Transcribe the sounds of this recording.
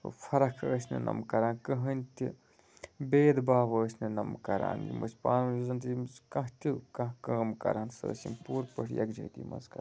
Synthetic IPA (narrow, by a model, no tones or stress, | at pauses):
fʰɐɾɐkʰəːsʲnɨ̰nʔɐ̰mkɐɾaːnkɐɦənʲt̪i | beːd̪baːbəːsʲnɨnɐmkɐɾa̰ːnjḭmɐ̰sʲpaːnmizɐnt̪imkɐ̃ɦt̪ʲikɐ̃kəːmkɐ̰ɾaːnsə̰ːsʲimpuːɾpəʈʰjɐ̰kd͡ʒɐ̰ːt̪ʲḭmɐ̰zkɐɾ